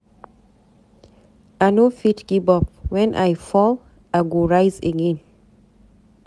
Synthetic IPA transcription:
anofitɡ̥ibɔpwɛ̃nʔajfɔl | aɡoɹaɪzeɡɛ̃n

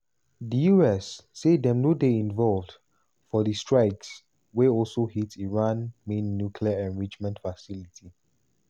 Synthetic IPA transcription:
dijuɛsːedɛ̃mnodeĩnvɔlvd | fɔdistɹaɪks | weɔlsohitiɹãnmẽnːjukʰliaɛ̃nɹit͡ʃmɛ̃ntfasilitʰi

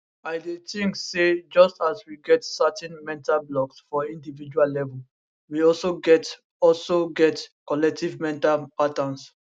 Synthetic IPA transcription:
aɪdetĩŋsed͡ʒʌstaswiɡɛtsatɛ̃nmɛ̃ntablɔksfɔĩndivid͡ʒuallɛvɔl | wiɔlsoɡɛt | ɔlsoɡɛtkɔlɛk̚tivmɛ̃ntapatãns

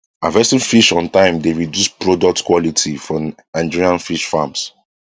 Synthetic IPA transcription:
avɛstĩnfiʃɔ̃ntãɪ̃mdeɹidjuspɹɔdɔk̚tkwɔlitʰifɔnãɪ̃nd͡ʒiɹiãnfiʃfãms

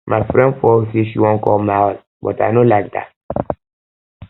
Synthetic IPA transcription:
mʔafɾɛ̃ndfɔseʃiwɔ̃nkɔlmaws | bɔ̰ta̰nolaɪk̚d̪a̰t̚

